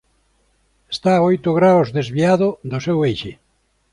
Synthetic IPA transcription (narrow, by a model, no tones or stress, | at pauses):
est̪aojt̪ʊɣɾawzðezβiaðʊd̪ʊsewejʃe